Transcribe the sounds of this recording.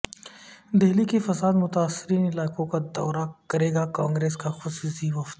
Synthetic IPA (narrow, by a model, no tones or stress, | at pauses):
d̪eɦlikifɐsaːd̪mʊt̪aːsːɪɾiːnɪlaːkõkad̪ɔ̰ːɾakɐɾeːɡakãːŋɡɾeːskaxʊsuːsiʋɐft̪